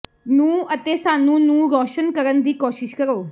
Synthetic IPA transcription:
nũːət̪esaːnũːnũːɾɔːʃənkəɾənd̪iːkoːʃɪʃkəɾoː

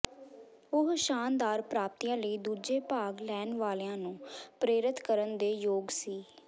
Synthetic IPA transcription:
ʊɦʃaːnd̪aːɾpɾaːp̚t̪iːãːləiːd̪uːd͡ʒeːpaːɡlɛːnʋaːleãːnũːpɾeːɾɪt̪ʰkəɾənd̪eːjoːɡsiː

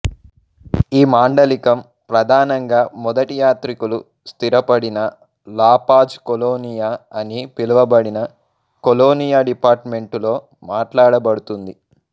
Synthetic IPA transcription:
iːmaːɳɖɐlikɐm | pɾɐd̪ʱaːnɐŋɡaːmɔd̪ɐʈijaːt̪ɾikulu | st̪iɾɐpɐɽinɐ | laːpaːd͡ʒkoloːnijaːɐnipiluʋɐbɐɽinɐ | koloːnijaːɖipaːɾʈme̞ɳʈulo̞ː | maːʈlaːɽɐbɐɽut̪und̪i

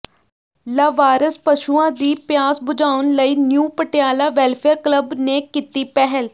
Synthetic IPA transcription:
laːʋaːɾəspəʃuːãːd̪iːpjaːsbʊd͡ʒaːʊnləiːnjuːpəʈjaːlaːʋɛːlpʰeːɾkləbneːkit̪iːpɛɦəl

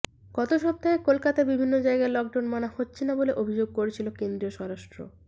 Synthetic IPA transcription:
kɔt̪oʃɔp̚t̪aekolkat̪abibʱinːod͡ʑaeɡaelɔk̚ɖawnmanahotːt͡ɕʰinaboleʔobʱid͡ʑoɡ̚koɾet͡ɕʰilokend̪ɾioʃɔɾaʃʈɾo̰

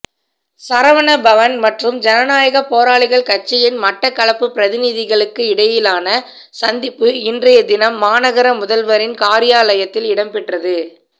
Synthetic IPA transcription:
sɐɾɐʋɐnɐbɐʋɐnmɐʈrɯmd͡ʒɛnɐnaːjɐɣɐpoːɾaːɭɪɣɐɭkɐt͡ʃːɪjɪnmɐʈːɐkːɐɭɐpːɯpːɪɾɐðɪnɪðɪɣɐɭɯkːɯɪɽɐjɪlaːnɐ | sɐnd̪ɪpːɯɪndrɐjɐd̪ɪnɐmːaːnɐɣɐɾɐmʊðɐlʋɐɾɪnkaːɾɪjaːlɐjɐt̪ːɪlɪɽɐmpɪʈrɐðɯ

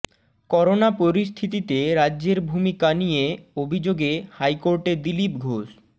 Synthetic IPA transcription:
kɔɾonapoɾis̬t̪ʰit̪it̪eɾadːʑeɾbʱumikanijeobʱid͡ʑoɡehajkoɾʈed̪ilipɡʱoʃ

